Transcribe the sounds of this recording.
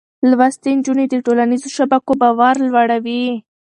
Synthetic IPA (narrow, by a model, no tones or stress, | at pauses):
lwast̪end͡ʒuned̪əʈolanizoʃabakobɑwaɾlwaɽawi